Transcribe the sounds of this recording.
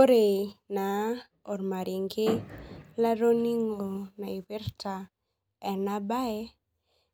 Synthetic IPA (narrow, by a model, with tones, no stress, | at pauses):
o˦ɾe˨na˨ | ɔ˨ɾma˨ɾi˨ŋɡe˦la˦ɾo˦ni˦ŋo˨na˨i˨we˦ɾta˨ | ɛ˨na˦ba˦e˦